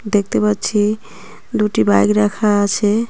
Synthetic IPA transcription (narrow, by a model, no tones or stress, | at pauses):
d̪ek̚ʰt̪ebʌt͡ʃʰi | d̪uʈibajkɾakʰaːt͡ʃʰe